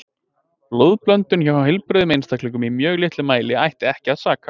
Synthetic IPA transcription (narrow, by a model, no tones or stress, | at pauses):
lowðplœnt̪ʏnçawhawɦɪlpɾʏːðʏmejnst̪aklɪŋk̬ʏmimjœːɣlɪht̪lʏmaːjlɪajht̪ɪɛhcɪaðsaːka